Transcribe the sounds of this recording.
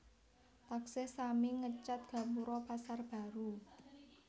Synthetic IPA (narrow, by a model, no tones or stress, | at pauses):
t̪aksɛsamɪŋːət͡ʃat̪̚ɡ̥a̤muɾɔpasarb̥a̤ɾu